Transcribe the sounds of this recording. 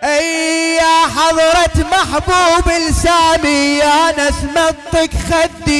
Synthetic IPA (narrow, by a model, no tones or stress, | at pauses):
ʔɪjːaħɑðˤɾˤɑt̪maħbuːbɪlsaːmijanasmɑt̪ˤːɨkxad̪i